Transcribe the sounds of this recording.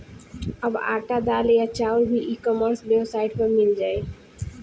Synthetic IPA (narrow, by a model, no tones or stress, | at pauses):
əba̰ːʈad̪aːljat͡ʃaːʊɾbʱiʔiːkɔməɾsbeosaːɪɖpəɾmɪld͡ʒaːe